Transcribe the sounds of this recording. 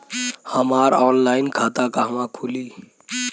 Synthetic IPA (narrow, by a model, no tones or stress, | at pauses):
həmaɾɔːnlaɪnkʰat̪akaɦəmãkʰuli